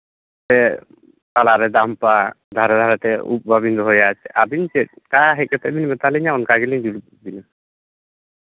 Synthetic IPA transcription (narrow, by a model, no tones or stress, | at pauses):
t̪ɛ | k̪alaɾɛd̪ampa | d̪ʱaɾɛd̪ʱaɾɛt̪ɛṵp̚babind̪ɔɦɔjat͡ʃɛʔabint͡ʃɛt̪̚kaɦɛc̚ˀkɛt̪ɛʔbinbɛt̪alɛɲaɔnkaɡɛliɲd͡ʒul | bina